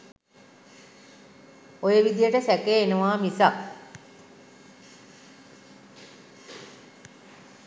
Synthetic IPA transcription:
ojəʋid̪ijəʈəsækeːnuʋaːmisak

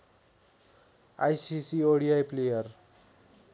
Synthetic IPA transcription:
ajsisioɽiajplejʌr

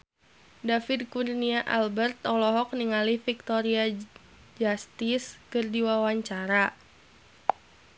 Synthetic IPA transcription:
dafɪd̪̚kurniaʔalbɛrt̪ɔlɔɦɔk̚niŋalifik̚t̪ɔɾia | d͡ʒast̪ɪskɨrdiwawaɲt͡ʃaɾa

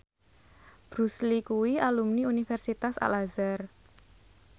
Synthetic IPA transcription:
b̥ɾuslikuwialumniunifɛrsit̪asa̰lazar

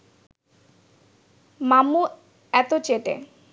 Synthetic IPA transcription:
mamːu | ɛt̪ot͡ɕeʈḛ

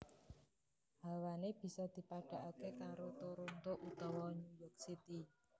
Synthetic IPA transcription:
ha̤waneb̥i̤sɔd̪̥i̤paɖ̥a̤ʔakekaɾot̪uɾont̪ʊʔut̪ɔwɔɲujək̚sit̪i

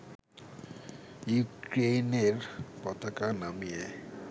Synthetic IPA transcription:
ukɾenerpɔt̪akanamiɛ

